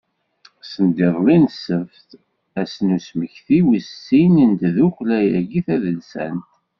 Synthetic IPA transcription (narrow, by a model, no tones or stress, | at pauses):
sənd̪iðˤlinsəfθ | æsnusməçθiwəsːinənt̪ðuxlæjæɡiθæðəlsæ̰nt̪